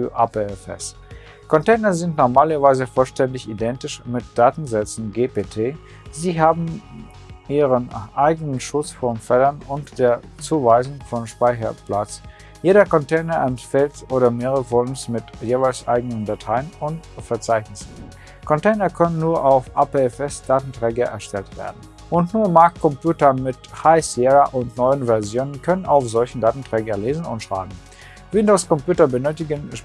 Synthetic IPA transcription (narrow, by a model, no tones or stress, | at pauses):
fyːɐʔapeɛfɛ̰s | kʰɔntɛɪnɐzɪntnɔɐmaːlɐvaɪzəfɔlʃtɛndɪçidɛntɪʃmɪt̚d̥aːtn̩zɛt͡sn̩ɡeːpeːtʰeː | ziːɦaːbm̩ | ʔiːʁənʔaɪɡənənʃʊt͡sfɔnfɛlɐnʊntd̥eːɐt͡suːvaɪzʊŋfɔnʃpaɪçɐ̰pl̥at͡s | jeːɾɐkɔntʰɛɪnɐʔɛnfɛltʔoːɾɐmeːʁəəvɔlmsmɪtjeːvaɪlsʔa̰ɪɡənəndatʰaɪənʊntfɛɐt͡saɪçnɪsn̩ | kʰɔntʰɛɪnɐkʰœnənːuːɐʔaʊfʔapeɛfɛsd̥aːtn̩tʁ̥ɛːɡɐʔɛ̰ɐʃtɛltv̥ḛːɐdn̩ | ʔʊntnuːɐmaɐkkʰːɔmpʰjuːtɐmɪthaɪseʁɐʔʊntnɔʏənvɛɐzjoːnənkʰœnənaʊfz̥ɔlçən̩daːtn̩tʁ̥ɛːɡɐleːzn̩ʊ̰ntʃʁ̥a̰ːɡŋ̩ | vɪndoʊskʰɔmpjuːtɐbənøːtɪɡənʃ